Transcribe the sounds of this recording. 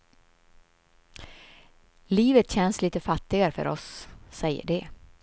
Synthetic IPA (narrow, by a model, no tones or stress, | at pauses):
liːvət̪ɕɛnːsliːt̪əfat̪ːɪɡaɾəfœ̰ɾɔ̰sːɛjːə̰ɖɛ